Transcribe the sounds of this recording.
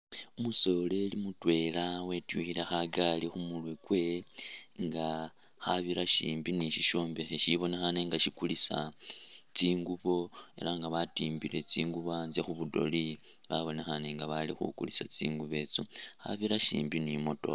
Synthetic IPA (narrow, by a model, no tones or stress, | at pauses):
umuso̞le̞limutwe̞lawe̞tuxilexaɡalixumulwekwe̞ | ŋɡa | xaβiɾaʃiːmbiniʃiʃo̞ːmbexeʃiβo̞nexaneŋɡaʃikulisa | t͡siːŋɡuβo̞e̞̰laŋɡaβatiːmbile̞t͡siːŋɡuβanzexuβudo̞̰li | βaβo̞nexaneŋɡaβalixṵkulisat͡sḭːŋɡuβe̞ːt͡soxa̰βiɾaʃḭːmbinimo̞to̰